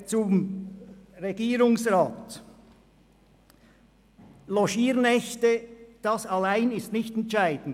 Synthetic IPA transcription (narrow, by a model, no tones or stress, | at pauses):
t͡sʊm | ʁeɡiːɾʊŋsʁaːt | loʃiːɾnɛçtəd̥ɑsɑlaɪnɪstnɪçtɛntt͡ʃaɪd̥n̩